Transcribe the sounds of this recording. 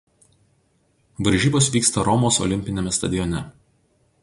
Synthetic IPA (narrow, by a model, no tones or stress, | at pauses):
ʋɐɾʲʒʲiːboːsʋʲiːkst̪ɐɾɔmoːsɔ̰lʲɪmʲpʲɪnʲɛmʲɛst̪ɐd̪ʲɪjɔnʲɛ